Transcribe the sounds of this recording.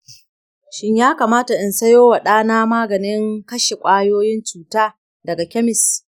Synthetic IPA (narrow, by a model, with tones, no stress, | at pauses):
ʃɪ˦ɲjaː˦kaː˨maː˦ta˨ʔɪ˨nsɐ˦joː˦wa˨ɗaː˦naː˦maː˦ɡɐ˨nɪ˦ŋkɐ˦ʃe˨kʷʼaː˦joː˦jɪ˦nt͡ʃuː˨taː˦ | dɐ˨ɡa˨kʲɛ˦mɪ˨s